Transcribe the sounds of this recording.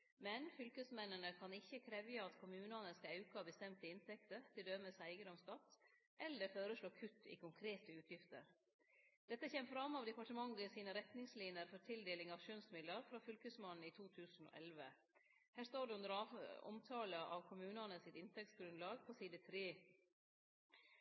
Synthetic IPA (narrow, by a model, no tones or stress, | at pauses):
mɛnfʏlkəsmɛnːənəkʰɑnɪçːəkʰɾɛʋjəɑt̪kʰʊmʉːnɑnəskɑɑʉkəɑbəst̪ɛmt̪ɪɪnt̪ʰɛkt̪əɾt̪ʰɪld̪øːməsæɪɡəd̪ɔmst̪ɑt̪ː | ʔɛlːəɾføːɾəʂɭoːkʰʉt̪ːɪ̰kʰʊŋkʰɾeːt̪əʉːt̪ʰjɪft̪ə̰ɾ | d̪̥ɛt̪ːəçɛːmfɾɑmːɑʋd̪ɛpɑʈəmɑŋːəsiːnəɾɛt̪nɪŋsliːnɪəɾfɔɾt̪ʰɪld̪eːlɪŋɑʋʃœnsmɪd̪ləɾfɾɑːfʏlkəsmɑnn̩ɪt̪ʰuːt̪ʰʉːsn̩o̰ːʔɛlʋə | hæːst̪oːɖʉʉnd̪əɾɑɔ̰mt̪ʰɑːləʔɑʋkʰʊmʉːnɑnəsɪt̪ɪnt̪ʰɛk̚t̪sɡɾʉnd̪lɑːɡpʰɔsiːd̪ət̪ʰɾeː